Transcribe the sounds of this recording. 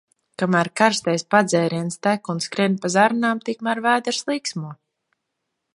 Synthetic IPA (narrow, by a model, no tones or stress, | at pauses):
kamæːɾkaɾst̪ɛjspad̪zɛːɾiɛnst̪ækunskɾɛnʲpazaɾnaːmt̪ikmæɾvæːd̪ɛɾslˠiːksmuɔ